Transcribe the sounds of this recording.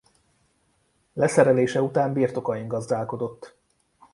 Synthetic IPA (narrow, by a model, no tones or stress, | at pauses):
lɛsɛɾɛleːʃɛut̪aːmbiːrt̪o̞kɒjiŋɡɒzd̪aːlko̞d̪o̞t̪ː